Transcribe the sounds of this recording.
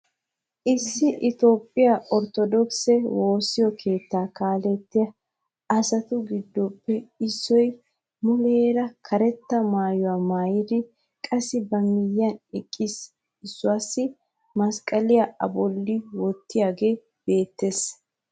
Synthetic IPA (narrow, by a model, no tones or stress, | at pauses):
ʔɪsːɪʔɪt̪o̞ːpʼːɪjaʔɔɾt̪ɔd̪ɔksɛwo̞ːsːɪjɔkʰe̞ːt̪ːaːkaːlɛt̪ːɪjɐ | ɐsɐt̪ʊɡɪd̪ːɔpːɛɪsːɔj | mʊleːɾɐkʰɐɾɛt̪ːɐmaːjɔwaːmaːjɪd̪ɪ | kʼɐsːɪbɐmɪjːɐnɛkʼːɪs | ɪsːʊwaːsːɪ | mɐskʼɐlɪjaɐ̰bɔlːɪwɔt̪ːɪjaːɡe̞ː | b̥e̞ːt̪ːe̞ːs